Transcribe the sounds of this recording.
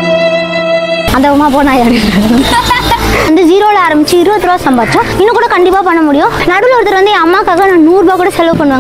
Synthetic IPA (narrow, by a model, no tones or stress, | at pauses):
ɐnd̪ɐʊmːaːp̬oːnaːjaːɽiɾ | ɐnd̪ɯd͡ʒiːɾoːlaːɾɐmbɪt͡ʃːɯɪɾɯbɐt̪ːɯɾoːsɐmbaːd̪ɪt͡ʃːɾɐ̃ɪnːɐ̃kuːɽɐkɐɳɖɪpːaːpɐɳːɐmʊɽɪjʊ̃ | nɐɽɯlɔɾɯt̪ːɪɾʋɐnd̪ɯɛ̃ɐmːaːkaːɣɐnãːnuːɾbaːkuːɽɐsɛlɐʋɯpɐɳːɯʋaːŋ